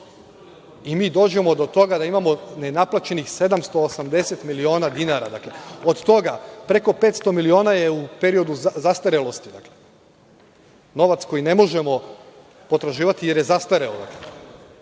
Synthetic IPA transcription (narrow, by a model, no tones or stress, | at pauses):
imiːd̪o̞ːd͡ʑe̞mo̞d̪o̞t̪o̞ɡad̪aimamo̞ne̞naplˠat͡ʃe̞nixse̞d̪amst̪o̞ːsamd̪e̞set̪milio̞ːnad̪inaɾa̰d̪akleod̪t̪o̞ɡapɾe̞ko̞pe̞ːt̪st̪o̞milio̞ːnajeupe̞ɾio̞d̪uzast̪aɾelost̪id̪akle | no̞ʋat̪sko̞jine̞mo̞ʒe̞mo̞ | po̞t̪ɾaʒiːʋat̪ije̞ɾjezast̪aɾeod̪a̰kle